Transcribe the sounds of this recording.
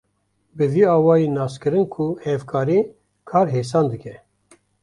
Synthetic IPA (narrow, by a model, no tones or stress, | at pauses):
bɨviːɑːwɑːjenɑːskɨɾɨnkʰuhɛvkʰɑːɾiː | kʰɑːɾɦeːs̬ɑːnd̪ɨkʲɛ